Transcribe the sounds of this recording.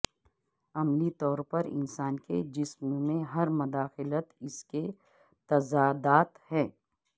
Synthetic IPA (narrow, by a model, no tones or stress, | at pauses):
ɐmlit̪ɔːɾpɐɾɪ̰nsaːnkḛd͡ʒɪsmmẽɦɐɾmʊd̪aːxɪlət̪ɪske | t̪ɐzaːd̪aːt̪hɛ̃ː